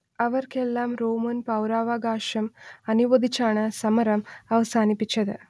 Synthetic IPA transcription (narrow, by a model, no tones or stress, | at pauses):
ɐʋɐrke̞lːaːmroːmɐnpɐwɾaːʋaːɡaːʂɐmɐnuʋɐd̪ʱit͡ɕːaːɳɨsɐmɐɾɐmɐʋɐsaːnipːit͡ɕːɐðɨ